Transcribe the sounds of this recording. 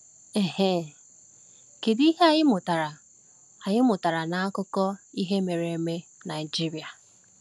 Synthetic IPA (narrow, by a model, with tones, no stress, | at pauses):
e˨he˦ | ke˨di˦ɦe˦a˨jɪ˦mʊ˨ta˨ɾa˨ | a˨ɲɪ˦mʊ˨ta˨ɾa˨na˨a˦kʊ˦kɔ˦i˦ɦe˦me˨ɾe˨e˨me˦na˨ɪ˨d͡ʒi˦ɾi˨a˨